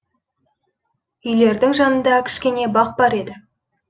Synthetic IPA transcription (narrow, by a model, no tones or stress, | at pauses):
ʏjle̞ɾd̪ɪŋʒɑnənd̪ɑkʲʰɪ̥ʃkʲe̞ne̞bɑq̚bɑɾe̞d̪ɪ